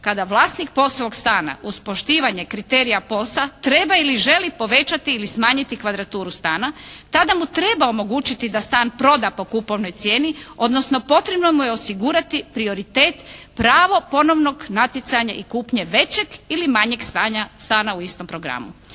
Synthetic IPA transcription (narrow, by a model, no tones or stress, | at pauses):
kad̪aʋlˠaːst̪nik̚po̞soʋo̞ɡst̪aːna̰ʔuspo̞ʃt̪iːʋaɲe̞kɾit̪eːɾijapo̞sat̪ɾe̞bailiʒe̞lipo̞ʋe̞t͡ɕat̪iːlismaːɲit̪ikʋad̪ɾat̪uːɾust̪aːnat̪ad̪amut̪ɾe̞baomo̞ɡuːt͡ʃit̪id̪ast̪aːnpɾo̞d̪apo̞kupo̞ʋnojt̪sjeːnio̞d̪nosno̞po̞t̪ɾebnomujeosiɡuɾat̪ipɾio̞ɾit̪eːt̪pɾaːʋo̞po̞no̞ʋno̞ɡnat̪jet̪saɲaʔikuːpɲe̞ʋe̞t͡ɕe̞ɡilimaɲe̞ɡst̪aɲast̪aːnauist̪o̞mpɾo̞ɡɾa̰mṵ